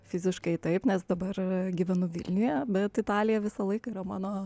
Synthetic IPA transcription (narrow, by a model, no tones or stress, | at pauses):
fʲɪzʲɪʃkɐɪt̪ɐɪpnʲɛsd̪ɐbɐrɡʲiʋʲɛnʊʋʲɪ̰lʲnʲʊjɛbʲɛt̪ɪt̪ɑːlʲɪjɛʋʲɪsɐlˠɐɪkɐɪɾɐmɑːnoː